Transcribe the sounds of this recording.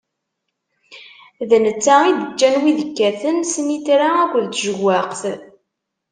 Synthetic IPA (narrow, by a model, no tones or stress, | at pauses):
ðənət͡sːaid̪ət͡ʃːænwiðəkːæθənsənit̪ɾaækʷəðt̪ʒəɣːaqθ